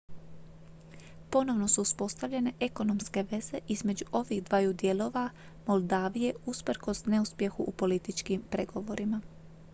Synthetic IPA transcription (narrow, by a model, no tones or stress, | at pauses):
po̞no̞ʋno̞suːspo̞st̪aʋʎe̞ne̞ʔe̞ko̞no̞mske̞ʋe̞ze̞ʔizme̞d͡ʑuʔo̞ʋiɣd̪ʋajud̪je̞lˠo̞ʋa | mo̞lˠd̪aːʋije̞uspɾko̞sne̞uspje̞xuʔːpo̞lit̪it͡ʃkimpɾe̞ɡo̞ʋo̞ɾʔima